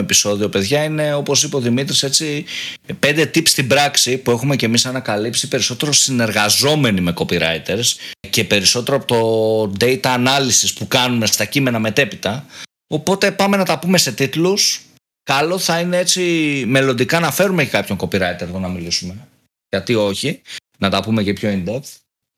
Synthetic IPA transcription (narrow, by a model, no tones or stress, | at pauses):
episo̞ðio̞pe̞ðʝɐine̞o̞po̞sipeo̞ðimit̪̬ɾise̞t͡sipe̞nd̪e̞t̪ipst̪ibɾɐksipue̞xume̞ce̞misɐnɐkɐlipsipe̞ɾiso̞t̪e̞ɾo̞sine̞ɾɣɐzo̞me̞nime̞ko̞piɾɐ̰it̪eɾsce̞pe̞ɾiso̞t̪e̞ɾopot̪o̞d̪ejt̪ɐːnɐlisispukɐnume̞st̪ɐcime̞nɐme̞t̪e̞pit̪ɐ | o̞po̞t̪e̞pɐme̞nɐt̪ɐpume̞se̞t̪it̪lus | kɐlo̞θɐinee̞t͡sime̞lond̪ikɐnɐfe̞ɾumecekɐpço̞ŋko̞piɾɐit̪eɾðonɐmilisume̞ | ʝɐt̪io̞çi | nɐt̪ɐpume̞cepço̞ind̪ept̪